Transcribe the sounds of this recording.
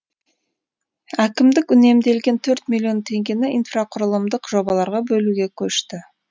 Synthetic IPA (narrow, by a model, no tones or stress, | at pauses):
ækʲɪmd̪ɪkʏne̞md̪e̞lɡʲe̞nt̪ʰɵɾt̪mʲilʲːio̞nt̪ʰe̞ŋɡʲe̞nɪijnfraqʰʊɾəlˠəmd̪əqʒo̞bɑlˠɑɾʁɑbɵluɡʲe̞kʲʰɵʃt̪ɪ